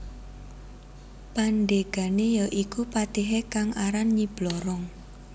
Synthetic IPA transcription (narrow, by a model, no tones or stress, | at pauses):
panɖeɡ̥a̤nejaʔikupat̪iɦekaŋaɾanɲib̥lɔɾɔŋ